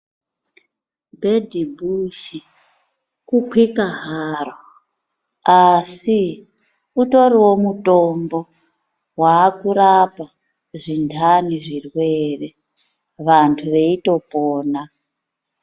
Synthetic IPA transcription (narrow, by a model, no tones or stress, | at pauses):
bʱedʱibʱuʃi | kukwikaɦara | asi | uto̞ɾiwo̞muto̞mbo̞ | waːkuɾapa | ʐindʰʱaniʐirwere | ʋantʰuʋe̞ito̞poːna